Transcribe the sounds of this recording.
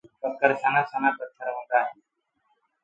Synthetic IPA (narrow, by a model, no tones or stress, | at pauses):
pət̪̚kəɾsaːnaːsaːnaːp̪ət̪ʰːəɾɦõːd̪aːɦɛː